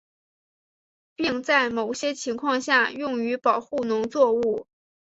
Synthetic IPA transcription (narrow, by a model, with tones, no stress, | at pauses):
pi˥˧ŋt͡sa˥˩ɪmo˨˩ʊɕjɛ˥t͡ɕʰi˧˥ŋkʰwɑ˥˧ŋɕja˥˧jʊ˥˩ŋy˧˥pɑ˨˩ʊxu˥˩nʊ˧˥ŋt͡swɔ˥˧u˥˩